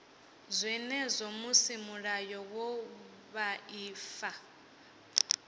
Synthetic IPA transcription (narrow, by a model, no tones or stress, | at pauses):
zʷɛnɛzʷɔmusimuɺajɔwɔ | βaiːfa